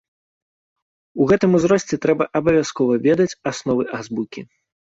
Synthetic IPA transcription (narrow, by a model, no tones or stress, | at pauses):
uɣɛt̪ɨmuzɾɔsʲt͡sʲɛt̪ɾɛbɐʔɐbɐvʲaskɔvɐvʲɛd̪ɐt͡sʲasnɔvɨʔazbukʲḭ